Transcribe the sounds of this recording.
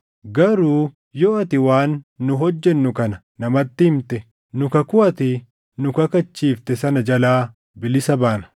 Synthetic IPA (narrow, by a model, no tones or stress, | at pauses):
ɡɐɾuː | jɔɐt̪ɪwaːnːʊɦɔd͡ʒːɛnːʊkɐnɐ | nɐmɐt̪ːɪhɪmt̪ɛ | nʊkɐkʊɐt̪ɪ | nʊkɐkɐt͡ʃːiːft̪ɛsɐnɐd͡ʒɐlaː | bɪlɪsɐbaːnɐ̥